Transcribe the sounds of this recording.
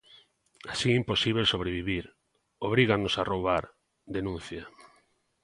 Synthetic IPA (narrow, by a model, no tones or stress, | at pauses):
asiimposiβ̞esoβ̞ɾeβ̞iβiɾ | oβ̞ɾiɣanosarowβaɾ | d̪enũn̟θja